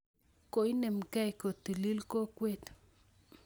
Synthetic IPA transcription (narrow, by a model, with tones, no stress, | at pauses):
ko˨i˦ne˨mka˦i˨ko˨t̪i˨li˦lko˦kwe˦t̪